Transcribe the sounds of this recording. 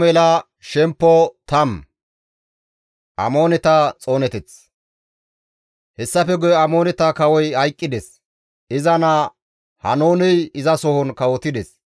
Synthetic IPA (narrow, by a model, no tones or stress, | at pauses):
mɛlɐ | ʃɛmpːɔt̪ɐm | ʔɐ̰mo̞ːnɛt̪ɐt͡sʼo̞ːnɛt̪ɛt͡s | hɛsːɐfɛɡɔjɛɐmoːnɛt̪ɐkɐwɔjɐjkʼːɪd̪ɛs | ɪzɐnɐ | hɐ̰noːnɛjɪzɐsɔhɔnkɐwɔt̪ɪd̪ɛs